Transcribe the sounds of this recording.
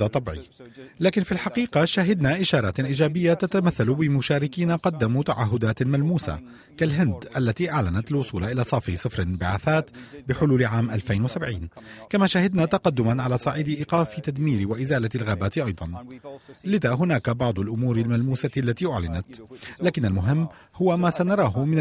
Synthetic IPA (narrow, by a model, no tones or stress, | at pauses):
at̪ˤɑbʕilaːkɪnfilħɑqiːqɑʃaɦɪd̪naːʔɪʃɑːɾˤɑːt̪ʔiːd͡ʒaːbɪjːat̪at̪amaθːalʊbɪmʊʃaːɾɪkiːnaqɑd̪ːamut̪aʕaɦːʊd̪aːt̪malmuːsa̰ | kalɦɪnd̪ʔalːat̪iːʔaʕlanat̪alwʊsˤuːlaʔɪlaːsˤɑːfisˤɨfɾɪbɪʕaːθaːt̪bɪħʊluːlʕaːmʔalfajnwasabʕiːnkamaːʃahad̪naːt̪ɑqɑd̪ːʊmanʕalaːsˤɑʕiːd̪ɪʔɪqɑːfɪt̪ad̪miːɾɪwaʔɪzaːlalɣaːbaːt̪ʔɑjd̪ˤɑn | lɪðaːɦʊnaːkabɑʕd̪ˤʊlʔʊmuːɾɪlmalmuːsalːat̪iːʔʊʕlɪnat̪laːkɪnːalmʊɦɪmː | hʊwamaːsanɑɾˤɑːɦʊmɪn